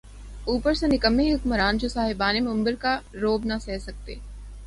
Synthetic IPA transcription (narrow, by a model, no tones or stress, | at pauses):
uːpəɾsenɪkəmːeɦɪkməɾaːnd͡ʒosaːɦɪbaːnemɐ̃mbəɾkaɾoːbnɐsɛːsɐk̚t̪ḛː